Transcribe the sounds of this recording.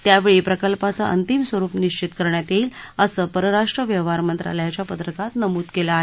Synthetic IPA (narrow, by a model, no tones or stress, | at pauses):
t̪jaʋeɭipɾəkəlpat͡sa̰ʔə̰nt̪imsʋəɾuːpniɕt͡ɕit̪kəɾɳjat̪eiːləsəpəɾəɾaʂʈɾəʋjəʋ̤aɾmənt̪ɾa̰ləjat͡ɕjapət̪ɾəkat̪nəmuːt̪kelaːɦe